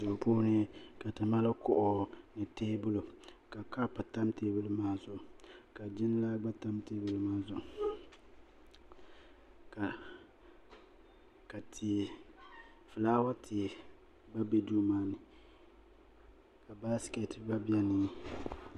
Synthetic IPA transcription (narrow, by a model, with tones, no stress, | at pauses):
zʊ˨poː˦nɨ˦ka˨tɨ˨ma˦la˦kʊ˦˨ʔɔ˨nɨ˨teː˦bʊ˦lʊ˨ka˨ka˦pʊ˨ta˦mteː˦bʊ˦lɨ˦maː˦zʊ˦ʔka˨d͡ʒɪ˦n˦la˦ɡ͡ba˦ta˦mteː˦bʊ˦lɨ˦maː˦zʊ˨ʔ | ka˨ | ka˨tʰɪ˨ | fɨ˨laː˦wa˦tʰɪ˨ | ba˦be˦duː˦maː˦˨nɨ˨ | ka˨ba˦ske˨tba˦bi˦ɛ˦ni˦